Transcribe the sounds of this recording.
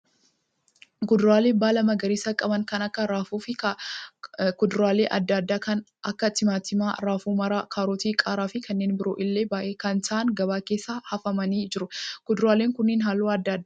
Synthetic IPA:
ɡʊd̪ʊɾaːleːbaːlɐmɐɡɐɾiːsɐkʼɐbɐŋkɐnɐkːɐɾaːfuːfɪ | kʊd̪ɾaːleːʔɐd̪ːad̪ːaːkɐn | ʔɐkːɐt̪ɪmaːt̪ːɪmaːɾaːfuːmɐɾaːkʰaːɾoːt̪iːkʼaːɾaːfɪkʰɐnːe̞ːnbɪɾo̰ːʔɪlːe̞ːbaːʔeːkɐnt̪ɐʔɐŋɡɐbaːkeːsːaːhɐfɐmɐniːd͡ʒɪɾʊkʊd̪ɾaːleːŋkʊnːɪːnɦaːloːɐd̪ːad̪ːa

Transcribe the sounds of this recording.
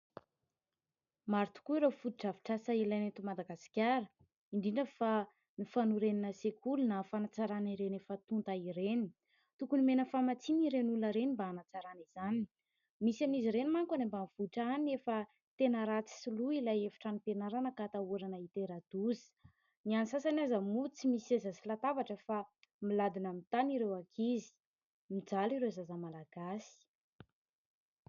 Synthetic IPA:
maɾt̪u̥kuiɾefut̪iʈ͡ʂavi̥ʈ͡ʂasailajnit̪umad̪aɡasi̥kʲaɾə | iɳɖ͡ʐiɳɖ͡ʐəfa | nifanuɾeninəsekʰulunafanat͡saɾaniɾenefət̪unt̪aiɾeni̥ | t̪ukunimenəfamat͡siniɾenuləɾenimbaːnat͡saɾaniz̥ani̥ | misaniziɾenimaŋkanembanv̥uʈ͡ʂanefə | t̪enəɾat͡si̥siluilajefi̥ʈ͡ʂanipenaɾanəkat̪auɾanəit̪eɾad̪̥uzi̥ | nianisasanazəmut͡simisiezəsilat̪avaʈ͡ʂəfamilad̪inəmit̪aniɾewakʰizi̥ | mid͡zaliɾewzazamalaɡasi̥

